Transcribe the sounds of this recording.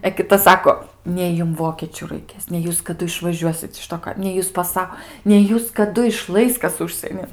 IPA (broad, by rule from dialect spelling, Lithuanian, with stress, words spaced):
ɛ kʲɪˈtɐ ˈsɑːkoː ˈnʲɛɪ jʊm ˈʋoːkʲeːt͡ʃʲʊ rɐɪˈkʲeːs nʲɛɪ ˈjuːs kɐˈdʊ ɪʃʋɐˈʒʲuɔsʲɪt ɪʃ ˈtoː kɐɪ nʲɛɪ ˈjuːs pɐˈsɐ nʲɛɪ ˈjuːs kɐˈdʊ ɪˈʃlˠɐɪs ˈkɐs ˈʊʃʲsʲiɛnʲɪn